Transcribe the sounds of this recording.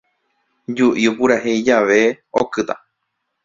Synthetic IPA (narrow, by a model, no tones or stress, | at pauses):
d͡ʒuʔiupuɾaɦeid͡ʒaʋe̞ | okɨt̪a̰